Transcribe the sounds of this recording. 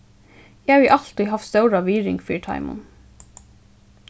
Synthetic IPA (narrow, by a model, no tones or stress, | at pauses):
jæʋiʔɑlt̪ɪhɑfst̪əʊɾɑːʋiːɾɪ̰ŋfḭːʈʰɑ̰ɪmʊ̰n